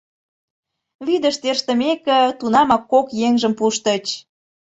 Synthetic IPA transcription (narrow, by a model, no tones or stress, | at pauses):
βid̪əʃt̪erʃt̪ə̆mekə̆t̪unɑmɑkːokjeŋʒəmpuʃt̪ə̆t͡ɕ